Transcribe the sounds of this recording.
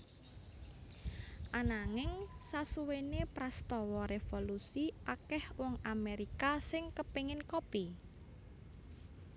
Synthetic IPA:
ʔanaŋɪŋsasuwenepɾast̪ɔwɔɾefolusiʔakɛhwɔŋameɾikasɪŋkəpiŋɪnkopi

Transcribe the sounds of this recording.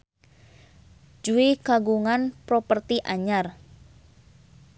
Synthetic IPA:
d͡ʒuikaɡuŋanpɾopərt̪iʔaɲar

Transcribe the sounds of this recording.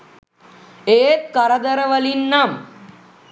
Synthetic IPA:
eːt̪̚kɐɾɐd̪ɐɾɐʋɐlinːam

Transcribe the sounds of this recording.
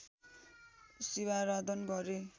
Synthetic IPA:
siwaɾad̪ʱʌnɡʌɾe

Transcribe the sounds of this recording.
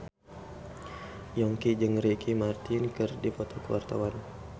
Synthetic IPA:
jɔŋkid͡ʒɨŋrikʰimart̪inkɨrdifɔt̪ɔkəwa̰rt̪awan

